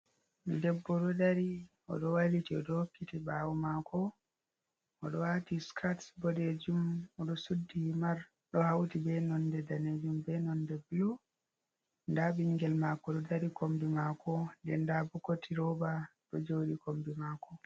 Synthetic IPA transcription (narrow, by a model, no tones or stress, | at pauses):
midɛbːɔɗɔdaɾi | ɔ̰ɗɔwalitiɔɗɔhokːitibawmakʰɔ | ɔɗɔwatiskʰatsbɔded͡ʒumɔɗɔsudːimaɾ | ɗɔhawtibɛnɔndɛdaned͡ʒumbɛnɔndɛblu | ndabiŋɡɛlmakɔɗɔdaɾikombimakɔndɛndabukotʰiɾɔbaɗɔd͡ʒowɗikombimakɔ